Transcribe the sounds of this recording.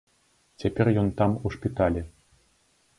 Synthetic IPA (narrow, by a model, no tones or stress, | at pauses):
t͡sʲapʲɛrjɔnt̪amuʂpʲit̪alʲɛ